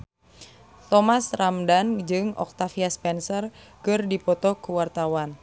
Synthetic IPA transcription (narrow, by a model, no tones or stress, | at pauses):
t̪ɔmasramdand͡ʒɨŋɔ̰k̚t̪afiaspɛnsɔrkɨrdipɔt̪ɔkuwart̪awan